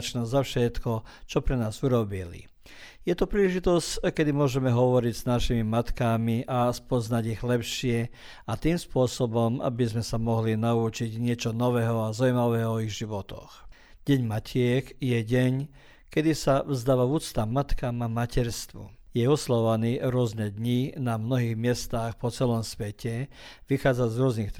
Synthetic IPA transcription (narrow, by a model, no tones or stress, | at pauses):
t͡ʃnɔzafʃɛt̪kɔt͡ʃɔpɾɛnaːzuɾɔbilḭ | jɛt̪ɔpɾiːlɛʒit̪ɔsckɛd̪imʊɔʒɛmɛɦɔʋɔɾiɟz̥naʃimimat̪kamiʔaspɔznaɟiɣlɛpʃɪɛ | at̪iːmspʊɔsɔbɔma̰bizmɛsamɔɦlinaut͡ʃiɟɲɪɛt͡ʃɔnɔʋɛɦɔazaujmaʋɛːɦɔɔiɣʒiʋɔt̪ɔ̰x | ɟ̥ɛɲmacʰɪɛkjɛɟɛɲ | kɛd̪isavzd̪aːʋauːt͡st̪amat̪kamamacɛɾst̪ʋṵjɛɔslaʋɔʋaniːɾʊɔznɛd̪ɲinamnɔɦiːɣmɪɛst̪aːxpɔt͡sɛlɔmsʋɛcɛʋixaːd͡zazɾʊɔznix